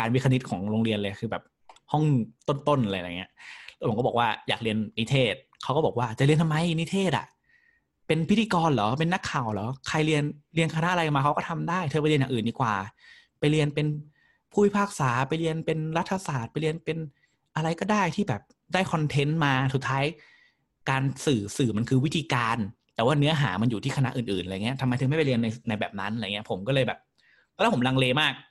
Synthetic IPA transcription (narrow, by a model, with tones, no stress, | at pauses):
kaː˧nwiː˦˧˥kʰa˧ni˦˥t̪̚kʰɔː˩˦ŋɾoː˧ŋɾi˧nlɤː˧ja˧˩kʰɯː˧bɛ̰ː˨˩p̚ | hɔ˥˩ŋt̪o˥˩nt̪o˥˩nʔa˧la˧j̰ŋi˦˥ɐʔpʰːkɔː˥˩ɔ˨˩kwaː˥˩ja̰ː˨˩k̚li˧ənːi˦˥t̪ʰeː˥˩t̪̚kʰa˦˥wkɔː˥˩bɔː˨˩k̚waː˥˩t͡ɕa˨˩ʔli˧ənʰa˧ma˧jni˦˥t̪ʰeː˥˩t̪ʔa̰˩ʔ | pe˧npʰi˦˥t̪ʰiː˧kɔː˧nlɔː˨˦pe˧nːa˦˥kʰːaː˨˩wlɔː˨˦˥kʰa˧jɾi˧ənli˧ənkʰa˧na˦˥ʔɾa˧jka˨˩maː˧kʰwkɔː˥˩t̪ʰa˧mdaː˥˩jt̪ʰɤː˧˩pli˧nja˨ʔɯː˨˩ndiː˧˦kwaː˨˩ | pa˧jɾi˧ənpe˧n | pʰuː˥˩i˧˦pʰaː˥˩k̚saː˩˦pa˧jli˧ənpe˧nla˦˥t̪ʰːa˧saː˨˩t̪̚pa˧jli˧ənpe˧n | ʔa˧ɾa˧jkɔː˥˩daː˥˩jt̪ʰiː˥˩bɛː˨˩p̚ | daː˥˩jkʰɔ˧nt̪ʰe˦˥nmaː˧su˨˩t̪ʰːaː˦˥j | kaː˧nsɯː˨˩sɯː˨˩ma˧nkʰɯː˧wi˦˥t̪ʰiː˧kaː˧nt̪ɛː˨˩waː˥˩nɯ˦˥ɐɦaː˩˦ma˧njuː˨˩t̪ʰiː˥˩a˧na˦˥ʔɯː˨˩nʔɯː˨˩nʔa˧˨ŋ˦˥ɐt̪ʰa˧ma˧jt̪ʰɯ˧ma˥˩pa˨˩li˧ənːa˧jna˧jbɛː˨˩p̚na˦˥nʔa̰˧˨ŋi˦˥˩pʰo˩˦mkɔː˥˩lɤː˧jbɛ̰ː˨˩p̚ː | ɛ˧˩lːpo˩˦la˧ŋleː˧maː˥˩k̚